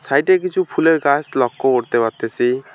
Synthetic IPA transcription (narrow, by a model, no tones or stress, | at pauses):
sajʈekit͡ʃʰupʰuleɾɡaslɔkːɔoɾt̪ebat̪esi